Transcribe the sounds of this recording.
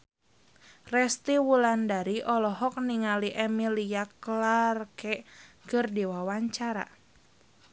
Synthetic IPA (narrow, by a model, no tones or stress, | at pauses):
rɛst̪iwulandaɾiʔɔlɔɦɔk̚niŋaliʔɛmiliaklarkɛkɨrdiwawaɲt͡ʃaɾa̰